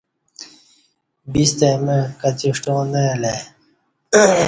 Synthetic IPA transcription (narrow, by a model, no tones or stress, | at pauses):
bist̪emẽkɐt͡ɕiʂʈõːnele